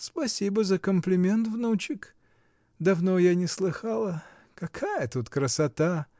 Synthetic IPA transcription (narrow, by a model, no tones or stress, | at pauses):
spɐsʲibəzəkəmplʲɪmʲe̞nt̪vnut͡ɕɪk | d̪ɐvnojanʲɪslˠɨxalˠə | kɐkʰajət̪ut̪kɾəsɐt̪a